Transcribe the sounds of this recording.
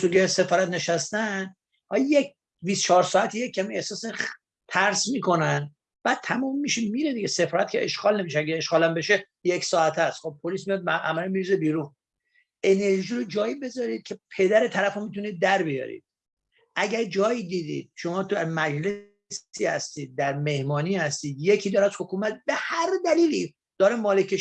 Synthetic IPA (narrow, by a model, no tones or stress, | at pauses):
suɡese̞fɒːɾæt̪ne̞ʃæst̪æn | hɒjje | viːst̪t͡ʃʰɒːɾsɒːæt̪ʰijecʰːæmie̞hsɒːse | t̪ʰæɾsmiːkʰo̞næn | b̥æːd̪̥̚t̪ʰæmɔːmːiʃimiɾed̪iɡese̞fɒːɾæt̪̚cʰeʔeʃɡɒːlnemiʃ̬eæɡæeʃɡɒːlæmbe̞ʃe | jecsɒːæt̪ʰæst̪χob̚pʰoliːsmijɒd̪̚mæʔæmæɾimiɾizebiːɾun | ʔe̞ne̞ɾʒiːɾod͡ʒɒːjibe̞zɒːɾiːd̪̚cʲʰepʰe̞d̪æɾe̞t̪ʰæɾæfomit̪ʰuniːd̪̚ːæɾbijɒ̰ːɾḭd̪̥̚ | ʔæɟæɾd͡ʒɒːjid̪iːd̪ḭːd̪̥̚ʃo̞mɒːt̪ʰmæd͡ʒle | siːhæ̰st̪iːd̪̚ːæɾme̞hmɒːniːhæst̪iːd̪je̞cʰiːd̪ɒːɾæzhokuːmæt̪̚be̞hæɾd̪æliːliː | d̪̥ɒːɾemɒːlekʰe